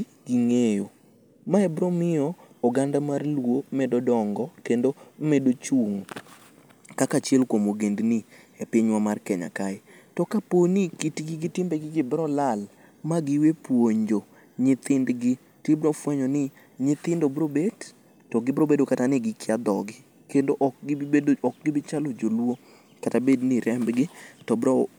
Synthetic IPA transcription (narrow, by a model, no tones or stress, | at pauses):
ɡiŋejo | maɛbɾɔmɪɔːɡandamarlwomɛdɔdɔŋɡɔkendomedot͡ʃuŋ | kakat͡ʃjɛlkwomoɡendnɪɛpɪɲwamarkɛɲa̰kaɪ | tɔkaponikitiɡɪɡɪtɪmbeɡɪɡɪbɾɔlal | maɡɪwepwoɲd͡ʒo | ɲɪt̪ɪndɡɪ | tebɾɔfwɛɲɔnɪ | ɲɪt̪ɪndobɾobed | tɔɡɪbɾobedokatanɪɡɪkɪad̪ɔɡɪ | kendoʔɔk̚ɡɪɔk̚ɡɪbɪt͡ʃalod͡ʒolwo | katabedniɾɛmbɡɪtɔbɾɔ